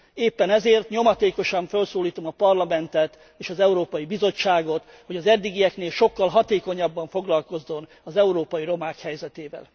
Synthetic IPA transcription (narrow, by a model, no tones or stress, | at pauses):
eːpːɛnɛzeːrt̪ɲo̞mɒt̪eːko̞ʃɒɱfølsoːliːt̪o̞mɒpɒrlɒmɛnt̪ɛt̪ | eːʃɒzɛuɾoːpɒjibizot͡ʃːaːɡo̞t̪ | ho̞ɟɒzɛd̪ːiɡijɛkneːlʃo̞kːɒlɦɒt̪eːko̞ɲɒbːɒɱfo̞ɡlɒlko̞zːo̞n | ɒzɛuɾoːpɒjiɾo̞maːkhɛjzɛt̪eːvɛ̰l